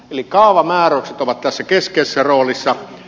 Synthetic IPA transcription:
elikkɑˑoʋɑmæːroˑukset̪oʋɑt̪t̪æsːækeskeisːæroːlisːɑ

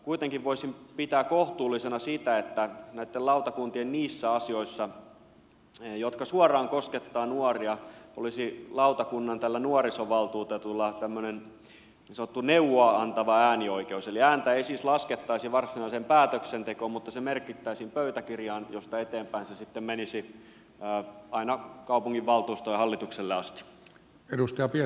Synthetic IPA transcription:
kuit̪eŋkiʋʋoisimpit̪æːkkoht̪uːlːisenɑsit̪æet̪ːænæit̪ːelɑut̪ɑkunt̪ienniːsːæɑsioisːɑ | jot̪kɑsuɑrɑːŋkosket̪ːɑːnuɑriɑo̰lisilɑut̪ɑkunːɑnt̪ælːænuɑrisoʋɑlt̪uːt̪ɑt̪ulːɑt̪æmːønen | nisɑnot̪ːuneuʋoɑɑnt̪ɑʋɑæːnioikeuseliæːnt̪æeeisiːslɑsket̪ːɑisiʋɑrsinɑisempæːt̪øksent̪ekoːmmut̪ːɑsemerkit̪ːæisimpøyt̪ækirjɑːnjost̪ɑet̪eːmpæinsesit̪ːemmenisiː | ɑinɑkɑupuŋɡiʋʋɑlt̪uːst̪ojɑhɑlːit̪ukselːeɑst̪i̥ | edust̪ɑjɑpie

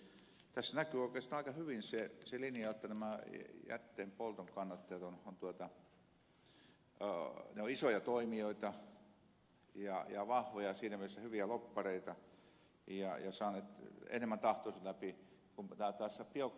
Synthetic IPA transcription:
t̪æsːænækyːoˑikeːst̪ɑɑikɑhyʋinseselinjɑjot̪ːɑnæmæjæ̰t̪ːeːmpolt̪oŋkɑnːɑt̪ːet̪onont̪uot̪ɑ | neoisojɑt̪oimioit̪ɑ | jɑjɑʋɑhʋojɑsiːnæmielsːæhyʋiælopːɑreit̪ɑ | jɑjɑsɑːneːˑt̪ḛnemːænt̪ɑht̪oːˑsɑtlæpi | kumt̪ɑːˑt̪ɑːsːɑpiok

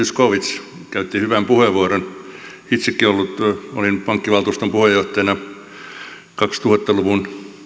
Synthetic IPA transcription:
yskoʋit̪s | kæyt̪ːihyʋæmpuheʋːuɑɾonhit̪sikːiolːut̪olinpɑŋkːiʋɑlt̪uːst̪ompuhejjoht̪ɑjnɑ | kɑkst̪uhɑt̪ːɑluʋun

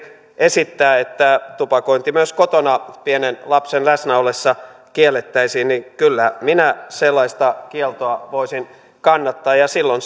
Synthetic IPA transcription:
esit̪ːæːet̪ːæt̪upɑkoint̪imyøskot̪onɑpienenlɑpsenlæsnæolesːɑ | kielːˑet̪ːæisiːnnikylːæminæselːɑist̪ɑkielt̪oɑʋoisin | kɑnːɑt̪ːɑːjɑsilːon

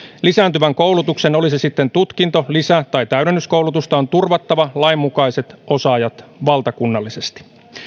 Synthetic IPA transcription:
lisæːnt̪yʋæŋkowlut̪ukseno̞lisisit̪ːe̞nt̪ut̪kint̪o̞lisæt̪ɑjt̪æyɾenːysko̞wlut̪ust̪ɑont̪urʋɑt̪ːɑʋɑlɑimːukɑjse̞t̪ʔo̞sɑːjɑt̪ʋɑlt̪ɑkunːɑlːise̞st̪i̥

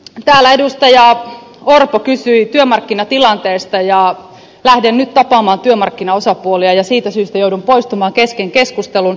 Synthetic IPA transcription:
t̪æːlæedust̪ɑjɑorpokysyit̪yømɑrkːinɑt̪ilɑnt̪eːst̪ɑjɑ | læhdennyt̪t̪ɑpɑːmɑːnt̪yømɑrkːinɑosɑpuoliɑjɑsiːt̪æsyːst̪æjoudumpoist̪umɑːŋkeskeŋkeskust̪elun

